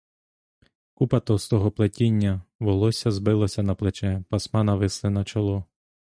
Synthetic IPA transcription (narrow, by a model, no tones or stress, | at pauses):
kupɐt̪ɔst̪ɔɦɔplˠetʲinʲːɐʋɔlˠɔsʲɐzbɪlˠɔsʲɐnɐplˠet͡ʃɛpɐsmɑnɐʋɪslˠɪnɐt͡ʃɐlˠɔ